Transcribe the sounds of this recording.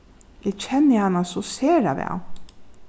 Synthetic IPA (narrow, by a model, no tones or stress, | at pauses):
ɛt͡ʃʰɛnːɪhanːasɔseːɾa̰ʋɛ̰w